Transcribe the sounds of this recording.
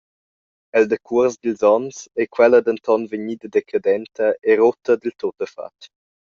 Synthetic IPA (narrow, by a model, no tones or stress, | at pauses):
ɛld̪əkʰuəɾzd̪ilzɔnsɛkwɛləd̪ənt̪ɔnvəɲid̪əd̪ɛkʰad̪ɛnt̪əʔɛɾot̪əd̪ilt̪ot̪əfa̰t